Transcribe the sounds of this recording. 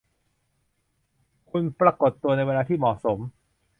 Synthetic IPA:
kʰu˧npɾa˧ko˨˩t̪ːu˧əna˧jweː˧laː˧t̪ʰiː˥˩mɔː˨˩so˩˦m

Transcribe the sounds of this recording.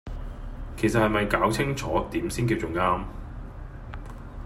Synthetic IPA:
kʰe˨˩js̬ɐ˨t̚hɐ˨jmɐ˨jkaː˨˥wt͡sʰɪ˥ŋt͡sʰɔː˨˥t̪iː˨˦msiː˥nkiː˧w̚t͡sʊ˨˩ŋaː˥m

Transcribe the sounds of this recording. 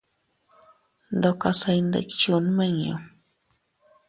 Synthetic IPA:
nd̪o˧ka˧sa˧jnd̪ḛ˨kt͡ʃu˦nmə˦ɲo̰˨

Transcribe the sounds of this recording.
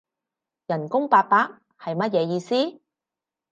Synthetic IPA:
jɐ˨˩nkʊ˥ŋpaː˧k̚paː˥k̚ | hɐ˨jmɐ˥t̚jɛː˨˧jiː˧siː˥

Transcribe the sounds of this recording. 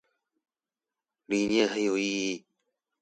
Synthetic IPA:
li˨ɲɛ˥˨sʰa˧˥˦jo˨iː˧˨iː˧˨

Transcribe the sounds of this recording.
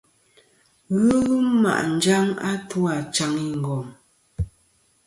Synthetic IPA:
ɣɯ˦ɣma̰˨ʔn̩˨d͡ʒa˦ŋa̰˦twa˨t͡ʃa˨ŋi˦ŋ̩˨ɡɔ˨m

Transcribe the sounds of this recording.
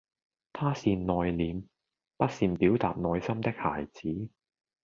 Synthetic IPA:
t̪ʰaː˥siː˧nnɔː˨˧jliː˨m | pɐ˥t̚siː˧npiː˨˥wt̪aː˨p̚nɔː˨˧jsɐ˥mt̪ɪ˥k̚ha̰ː˨˩jt͡siː˨˥

